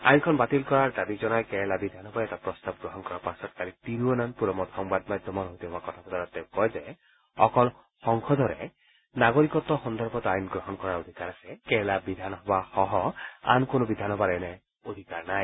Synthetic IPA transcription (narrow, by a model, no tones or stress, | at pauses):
ajnkʰɔnbat̪ilkɔɹaɹd̪abizɔnajkɛɦɛlabid̪ʱanɦɔbaɛtapɹɔst̪ab̚ɡɾɔɦɔnkɔɹapasɔt̪̚kalit̪iɾuɔnanpuɾɔmɔt̪hɔŋbad̪̚mad̪ʱjɔmɔɾɦojt̪iɦɔbakɔt̪ʰapɔd̪ʱaɾɔt̪ːekɔjzɛ | ɔkɔl | xɔŋkʰɔd̪ʱɔɾɛ̰ | naɡoɹikɔt̪ɔxɔnd̪ʱɔɾbɔt̪ajnɡɹɔɦɔnkɔɹaɹod̪ʱikaɾasɛkɛɦɛlabid̪ʱanɔɦɔbaxɔɦɔa̰nkonobid̪ʱanɦɔbaɾɛnɛ | od̪ʱikaɹnaj